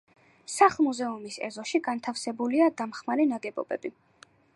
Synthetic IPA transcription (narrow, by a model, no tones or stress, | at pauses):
saχˠmuzɛumisɛ̰zɔʃiɡant̪ʰafsɛbuliad̪amχmaɾɛnaɡɛbɔ̰bɛ̰bi